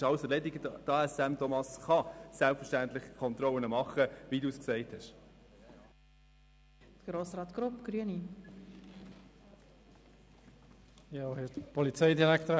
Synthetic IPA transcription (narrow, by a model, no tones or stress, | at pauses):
ɑwsɛɾlɛdɪɡəd̥ɑɛsæmtʰɔmɑsχɑsælpfɛʃtæntlɪχkʰɔnt̪rɔlənəmɑχəʋiduːsksɛɪthɛʃ | tɡ̥ɾoːsɾɑːt̪ɡ̥ɾʊpɡ̥ɾyəni | jɑhɪtpʰɔlit͡sɛɪdiɐlækt